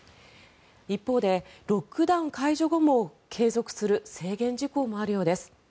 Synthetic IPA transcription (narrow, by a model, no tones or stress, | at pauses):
ipːo̞ːd̪e̞ɾo̞kɯ̟d̪ãŋkaiʑo̞ɡo̞mo̞kʰe̞ːzo̞kɯ̟̥sɨɾɯ̟se̞ːɡẽ̞ɲ̟d͡ʑiko̞ːmo̞aɾɯ̟jo̞ːd̪e̞sɨ̥